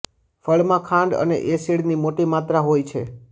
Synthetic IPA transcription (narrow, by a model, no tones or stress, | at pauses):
fəɭmãkʰãɳɖə̰nḛʔesiɽnimoʈimat̪ɾaɦojt͡ʃʰe